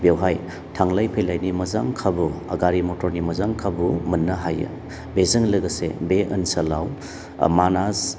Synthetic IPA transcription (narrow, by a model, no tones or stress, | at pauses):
bewɦaj | tʰaŋlajpʰejlajnimɐzaŋkʰabuɐ̰ɡaɾimɔtʰɔɾnimɐzaŋkʰabumɐnːɐɦaj̰ | bezɯŋlɐɡɐsḛbeʔənsɐlaw | manas